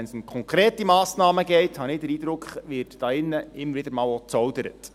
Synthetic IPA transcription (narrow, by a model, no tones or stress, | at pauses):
ɛnsʊmkʰχɔŋkɾeːtimɑːsnɑːməɡɛɪthɑnɪːdəɾiːd̪ɾʊkχʋɪːrtd̥ɑːɪnːəɪmːəɾvɪdəɾmɑːlot͡sɔwdəɾə̰t